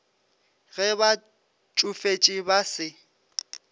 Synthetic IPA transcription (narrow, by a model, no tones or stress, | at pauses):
ɣɛβa | t͡ʃʼufet͡ʃʼibasɪ